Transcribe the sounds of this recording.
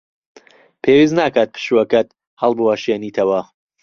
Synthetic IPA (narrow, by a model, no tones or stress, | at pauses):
pʰewiːznaːkaːt̪̚pʰɨ̥ʃuwɐkɐt̪ | hɐlˠbuwaʃjeːniːt̪ʰɐwɐ